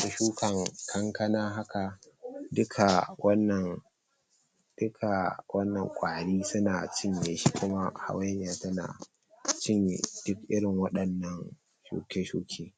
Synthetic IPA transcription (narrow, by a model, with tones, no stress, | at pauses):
sʊ˨ʃuː˦kɐ˨ŋkʰɐ˦ŋkɐ˦naː˦ɦa˦ka˨dʊ˦kʰa˨wɐ˦nːɐ˨ŋ | d̥ʊ˦kʰa˨wʔɐ˦nːɐ˨ŋkʷʼaː˨ɽiː˦sʊ˦naː˨t͡ʃɪ˦ɲje˨ʃi˦kʷʊ˦ma˦ha̰˦wa˦ɲ˦aː˨tɐ˦na̰ː˨ | t͡ʃɪ˦ɲjḛ˨d̥ʊ˦kʔɪ˦ɽɪ˨ŋwɐ˦ɗɐ˨nːɐ˦ŋ | ʃṵː˦kʲeː˦ʃuː˦kʲʰeː˦